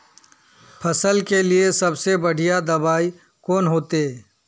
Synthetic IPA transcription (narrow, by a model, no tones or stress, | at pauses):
pʰɐsəlkeliesɐbsebɐɽ̤ijad̪ɐbaːi | kɔːnɦoːt̪e